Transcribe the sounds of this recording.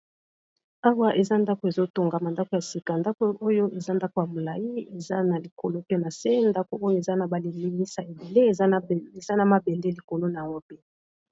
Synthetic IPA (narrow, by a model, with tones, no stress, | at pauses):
a˦wa˦ʔe˨za˦nda˦ko˨e˨zo˦to˨ŋɡa˨ma˨nda˦ko˨ja˨si˨ka˨nda˦ko˦ʔo˦jo˦ʔe˨za˦nda˦ko˨ja˨mo˨la˨ji˦e˨za˦na˨li˨ko̰˨lo˦pe˦na˨se˦nda˦ko˨o˦jo˦e˨za˦na˨ba˨li˨mi˦mi˦sa˨e˨be˨le˦e˨ze˨za˦na˨ma˨be˨le˦li˨ko˨lo˦na˨ja˨wɔ˦pe˦˨